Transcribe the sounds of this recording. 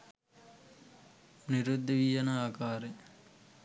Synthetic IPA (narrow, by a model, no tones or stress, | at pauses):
niɾud̪ːiʋijɐnaaːkaːɾe